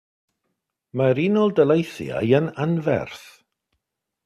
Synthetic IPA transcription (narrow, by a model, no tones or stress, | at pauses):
maɾinɔlˠdəlˠejθja̰jənanvɛ̰rθ